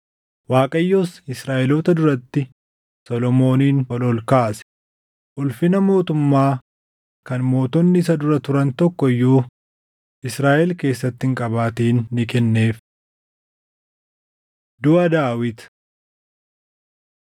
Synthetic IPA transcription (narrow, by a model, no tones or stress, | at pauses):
waːkʼɐjːoːsɪsɾaːʔɛloːt̪ɐd̪ʊɾɐt̪ːɪ | sɔlɔmo̞ːniːnɐlɔlkaːsɛ̥ | ʔʊlfɪnɐmo̞ːt̪ʊmːaː | kɐnmo̞ːt̪ɔnːɪɪsɐd̪ʊɾɐt̪ʊɾɐnt̪ɔkːɔɪjːuː | ʔɪsɾaːʔɛlke̞ːsːɐt̪ːɪŋkʼɐbaːt̪iːnːɪkɛnːe̞ːf | d̪ʊɐd̪aːwɪt̪